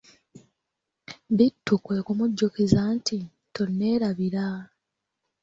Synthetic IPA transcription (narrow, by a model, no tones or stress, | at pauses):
βitːukwe̞ːkumuɟːokizaːnti | tonːe̞ːɾaβiɾa